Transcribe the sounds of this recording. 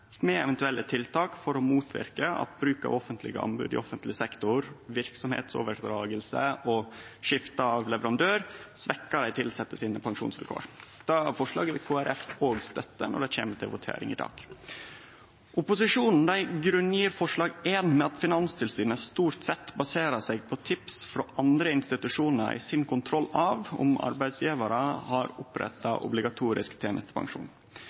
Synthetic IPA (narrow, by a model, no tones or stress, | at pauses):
mɛɛʋɛnt̪ʉɛlːət̪ʰɪlt̪ɑːkfɔɾɔmuːt̪ʰʋɪ̰ɾkəɑ̰t̪̚bɾʉːkə̰ɔfənt̪ʰlɪ̰ɡə̰ɑ̰mbʉ̰ːd̪ɪ̰ɔfənt̪lɪsɛkt̪ʊɾʋɪɾksɔmhḛːt̪so̰ːʋəɾd̪ɾɑːɡəlsəɔʂɪft̪əɑʋlɛʋəɾɑnd̪øːɾsʋɛkːəɾæɪt̪ʰɪlsɛt̪ːəsiːnəpʰɑŋʂṵːnsʋɪlkʰo̰ːɾd̪̥ɑfɔʂɭɑ̰ːɡəʋɪkʰoːæɾʔɛfoːɡst̪œt̪ːə̰nɔ̰ɖɛçeːmət̪ʰɪlʋʊt̪ʰḛːɾɪ̰ŋɪd̪ɑ̰ːɡ̥ | ʔʊpʊsɪʂuːnn̩d̪æɪɡɾʉnjiːɾfɔʂɭɑːɡeːnmɛɑt̪fɪnɑnst̪ʰɪlsyːnəst̪uːɾt̪sɛt̪ːbɑseːɾɑsɛɡ̚pʰɔt̪ʰɪpsfɾɔʔɑnd̪ɾəɪnst̪ɪt̪ʉʂuːnəɾæ̰ɪsɪnkʰʊnt̪ʰɾɔlːɑʋʊ̰mɑ̰ɾbæɪd̪sjiːʋɑɾəhɑɾʊpɾɛ̰t̪ːɑʔʊ̰blɪɡɑt̪ʰuːɾɪskt̪ʰeːnəst̪ʰə̥pʰɑ̰ŋʂṵːn